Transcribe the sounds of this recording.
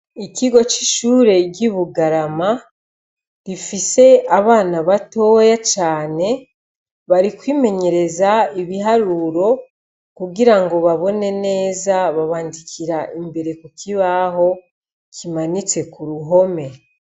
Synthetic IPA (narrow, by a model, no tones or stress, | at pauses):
ikiɡo̞t͡ʃi̥ʃuːɾe̞ɟiβuɡaɾama | ɾifise̞aβaːnaβato̞jat͡ʃaːne̞ | βaɾikwiːme̞ɲe̞ɾe̞zaiβiɦaɾuɾo̞ | kuɡiɾaŋɡo̞βaβo̞ne̞ne̞ːzaβaβaːndikʰiɾaʔimbe̞ɾe̞kukiβaɦo̞ | kʰimanit͡se̞kuɾuɦo̞me̞